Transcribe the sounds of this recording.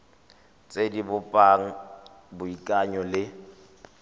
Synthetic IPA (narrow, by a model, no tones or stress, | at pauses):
t͡sʼedibʊpʼaŋ̩ | bʊikʼaɲɔlɪ